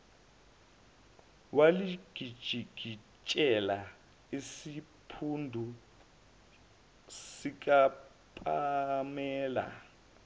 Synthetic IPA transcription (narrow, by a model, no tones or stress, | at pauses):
waliɡ̥ʱid̥ʒ̥ʱiɡ̥ʱi | t͡ʃʼɛla | isipʰundʱu | sik̬ʼa | pʼamɛːla̰